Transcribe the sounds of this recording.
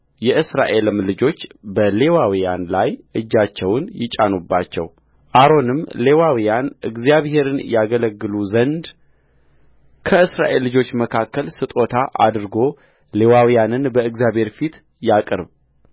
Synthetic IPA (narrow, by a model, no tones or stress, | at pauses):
jɛʔɨsɾaʔe̞lɨmlɨd͡ʒo̞t͡ʃːbəle̞wawijanlajʔɨd͡ʒːat͡ʃːɛwnjɪt͡ʃʼanubːat͡ʃːɛ̰w | ʔaɾo̞nɨmle̞wawijanɨ̰ɡzijaβhe̞ɾɨnjaɡələɡːɨluzənd̪ | kʰəɨsɾa̰ʔe̞lːɨd͡ʒo̞t͡ʃːməkʰakːəlsɨt̪ʼo̞t̪ʰaʔa̰d̪ɾɨɡo̞ | le̞wawijanɨnbəɨɡzjaβhe̞ɾfit̪ | jakʼɨɾβ